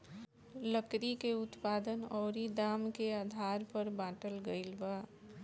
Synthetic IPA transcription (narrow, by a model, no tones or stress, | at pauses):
ləkɾikeʊt̪paːd̪ənɔːɾid̪aːmkeaːd̪ʱaːɾpəɾbãːʈəlɡəɪlbaː